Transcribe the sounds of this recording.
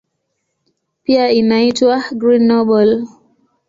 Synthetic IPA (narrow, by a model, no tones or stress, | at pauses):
piainaitwaɡɾinːɔɓɔl